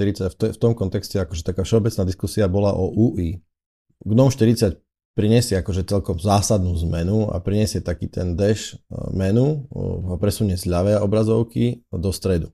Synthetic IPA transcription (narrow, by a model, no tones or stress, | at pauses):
t̪iɾit͡saft̪ɛft̪ɔmkɔnt̪ɛkscɛakɔʒɛt̪akaːfʃɛɔbɛt͡snaːd̪iskusiabɔlaʔɔʔuːʔiː | ɡnɔʊʃt̪iɾit͡sac | pɾiɲɛsɪɛakɔʒɛt͡sɛʎkɔmzaːsad̪nuːzmɛnua̰pɾiɲɛsɪɛt̪akiːt̪ʰɛ̰nd̪ɛʃmɛnuɦɔpɾɛsuɲɛzʎaʋɛːɔbɾazɔʊkid̪ɔst̪ɾɛd̪u